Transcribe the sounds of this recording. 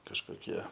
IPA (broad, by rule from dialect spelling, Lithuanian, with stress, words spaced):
kɐʃkoːˈkʲiɛ